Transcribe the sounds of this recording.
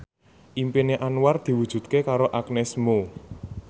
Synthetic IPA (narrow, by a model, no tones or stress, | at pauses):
ʔimpineʔanward̪̥i̤wud̥ʒ̥ṳt̪̚kekaɾoʔaknɛsmo